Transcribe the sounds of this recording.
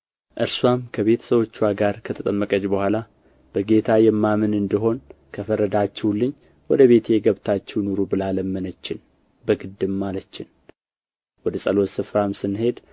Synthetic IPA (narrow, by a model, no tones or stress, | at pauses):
ʔɨɾswamkʰəβe̞t̪ʰə̥səwo̞t͡ʃːwaɡaɾkʰət̪ʰət̪ʼəmːəkʼəd͡ʒbəhʷala | b̥əɡe̞t̪ʰajɛmːamɨnɨnd̪iɦo̞nkʰəfəɾːəd̪at͡ʃːɛwlːɨɲː | wɔd̪əβe̞t̪ʰeɡəβt̪ʰat͡ʃːɛwnoɾubɨlaləmːɨnət͡ʃːɪn | bəɡɨd̪ːɨmːalət͡ʃːɪn | wɔd̪əsʼəlo̞sɨfɾamsɨnhe̞d̪